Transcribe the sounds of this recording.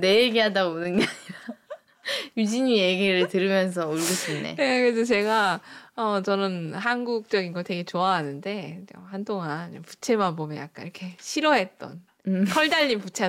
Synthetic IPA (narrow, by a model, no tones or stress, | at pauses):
ne̞jeɡeɦadaɡomonɯnɡaɲia | jud͡ʑiɲijeɡeɾɯɭtɯɾɯmjʌns̬ʰʌuɭɡɯɕʰinnːḛnekɯɾesʰʌt͡ɕe̞ɡaʌt͡ɕʌnɯnhanɡuk̚t͡ɕ͈ʌɡinɡʌɭte̞ɡe̞t͡ɕoaɦanɯnde̞ʌhantoŋanʌpu̥t͡ɕʰe̞manbomjʌnja̰k͈a̰niɾʌkʰe̞ɕʰiɾʌɦe̞t̚t͈ʌ̰n | kʰʌɭdaʎːinput͡ɕʰe